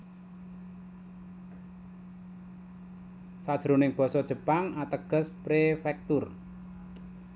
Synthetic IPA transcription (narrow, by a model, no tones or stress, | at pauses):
sad̥ʒ̥ɾonɪŋb̥ɔ̤sɔd̥ʒ̥ə̤paŋat̪əɡ̥ə̤spɾefɛk̚t̪ʊr